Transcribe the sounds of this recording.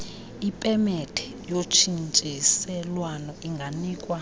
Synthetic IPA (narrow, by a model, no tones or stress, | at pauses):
ipʼɛmɛtʰʼɛ̥ | jot͡ʃʰint͡ʃʼisɛlwanɔʔiŋɡʱaniːkʼwa